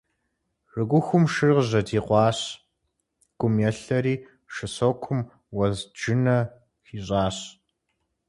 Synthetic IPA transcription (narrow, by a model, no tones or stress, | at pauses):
rɨɡʷʊxʷʊmʃɨrʁʑɐdʰiːqʷɑːɕ | ɡ̥ʷʊmjɛɬɐɾiː | ʂɨsoːkʷʰʊm | wɐzd͡ʒɪnɐ | xiːɕʼɑːɕ